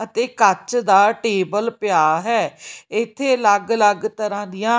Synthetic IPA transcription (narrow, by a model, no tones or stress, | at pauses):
ət̪eːkət͡ʃd̪aːʈeːbəlpɪjaːɦɛːɪt̪ʰːeːləɡləɡt̪əɾãːd̪ɪjãː